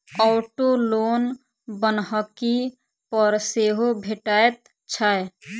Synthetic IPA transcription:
ɔːʈoloːn | bənɦəki | pɔɾseːɦobʱeʈaːjet̪ | t͡ʃʰaːe

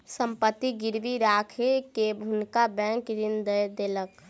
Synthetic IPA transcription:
səmpət̪ːiɡɪɾʋiɾaːkʰekebʱʊnkabɛ̃ŋkɾɪnd̪əjd̪eːlək

